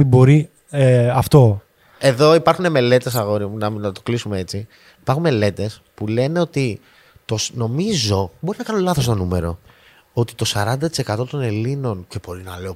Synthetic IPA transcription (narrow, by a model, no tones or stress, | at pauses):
ibo̞ɾi | ɐft̪o̞ | e̞ðo̞ipɐɾxune̞me̞le̞t̪e̞s̬ɐɣo̞ɾinɐnɐt̪oklisume̞e̞t͡si | ipɐɾxunme̞le̞t̪e̞spule̞ne̞o̞t̪i | t̪osno̞mizo̞bo̞ɾinɐkɐnulɐθo̞s̬t̪o̞nume̞ɾo̞ | ot̪it̪o̞sɐɾɐnd̪ɐt̪i̥se̞kɐt̪o̞t̪o̞ne̞lino̞nce̞bo̞ɾinɐle̞o